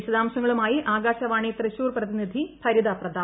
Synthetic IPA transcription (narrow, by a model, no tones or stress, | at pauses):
iɕɐd̪aːmɕɐŋːɐɭumaːjiʔaːɡaːɕɐʋaːɳit̪rɨɕuːrprɐðinid̪ʱipʰɐɾid̪aprɐd̪ʱaː